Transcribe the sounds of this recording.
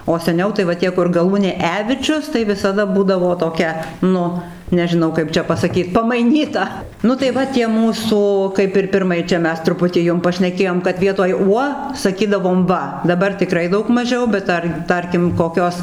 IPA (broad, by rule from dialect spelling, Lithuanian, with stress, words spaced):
oː sʲɛˈnʲɛʊ tɐɪ ʋɐ ˈtʲiɛ kʊr ɡɐˈlˠuːnʲeː ˈæːʋʲɪt͡ʃʲʊs tɐɪ ʋʲɪsɐˈdɐ ˈbuːdɐʋoː toːˈkʲɛ ˈnʊ nʲɛʒʲɪˈnɐʊ ˈkɐɪp t͡ʃʲɛ pɐsɐˈkʲiːt pɐmɐɪˈnʲiːtɐ ˈnʊ tɐɪ ˈʋɐ tʲiɛ ˈmuːsuː kɐɪp ɪr ˈpʲɪrmɐɪ ˈt͡ʃʲɛ ˈmʲɛs trʊˈpʊtʲiː ˈjʊm pɐʃʲnʲɛˈkʲeːjoːm kɐt ˈʋʲiɛtoːj ˈuɔ sɐˈkʲiːdɐʋoːm ˈʋɐ dɐˈbɐr tʲɪˈkrɐɪ ˈdɐʊk mɐˈʒʲɛʊ bʲɛt ˈtɐr ˈtɐrʲkʲɪm koːˈkʲoːs